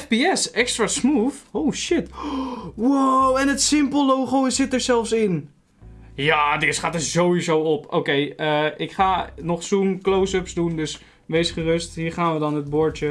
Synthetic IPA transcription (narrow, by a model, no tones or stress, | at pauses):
fbiɛsɛkstrasmufowʃɪt | wawɛnətsɪmpəlˠlowχowsɪtəɹzɛlˠfsɪn | jaːdɪsχaːtərzowʋizowɔpo̰ːkejəʔɪkχaːnɔχsumklowsøpsdundøs | ʋejsχərøstɦiːɹχaːnʋədɔnɦət̚bʊɹtjə